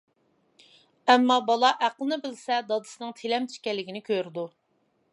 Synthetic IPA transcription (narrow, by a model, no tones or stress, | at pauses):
ɛmːɑbɑlˠɑʔæqəlˠnɨbɪlsɛd̪ɑd̪ɨ̥sɨnɨŋt̪ʰelɛmt̪ʰy̥ʃkʲɛlːɪɡʲinɪkʲʰøɾɪd̪u